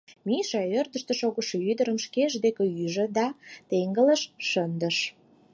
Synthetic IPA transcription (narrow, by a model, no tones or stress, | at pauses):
miʃɑørd̪əʃt̪ə̆ʃoɣəʃoyd̪əɾəmʃkeʒd̪ekĕyʒĕd̪ɑt̪eŋɡələʃʃənd̪ə̆ʃ